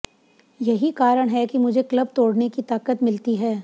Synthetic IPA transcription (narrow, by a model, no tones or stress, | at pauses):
jɐɦikaːɾəɽ̃ɦɛkimʊd͡ʒʱekləb̚t̪oːɽnekit̪aːkət̪mɪlt̪iɦɛː